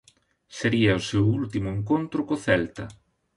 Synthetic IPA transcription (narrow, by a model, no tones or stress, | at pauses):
seɾiɐʊsewult̪imʊeŋkont̪ɾʊkoθɛlt̪ɐ